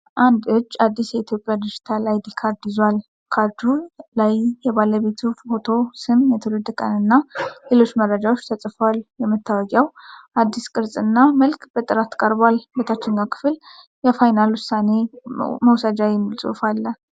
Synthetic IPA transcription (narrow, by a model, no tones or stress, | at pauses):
ʔand̪ɨd͡ʒːad̪ːisjɛit̪ʰjo̞pʼːjad̪ɨd͡ʒɪt̪ʰalajd̪ikʰaɾd̪ɪzwal | kʰaɾd̪ulajjɛβaləβe̞t̪ʰuhot̪ʰo̞sɨmjɛt̪ʰɨlɨd̪kʼənɨnːale̞lo̞t͡ʃːməɾːəd͡ʒawo̞t͡ʃːt̪ʰət͡sʼfaljɛmːɨt̪ʰːawɔɡʼɛwʔad̪ːiskʼɨɾsʼɨnːaməlkb̥ət̪ʼɨɾat̪kʼəɾbalbət̪ʰat͡ʃːɪɲːakʰɨ̥fl | jɛfajnalwʊsːane̞məwsad͡ʒawɪmːɨlsʼṵfalːə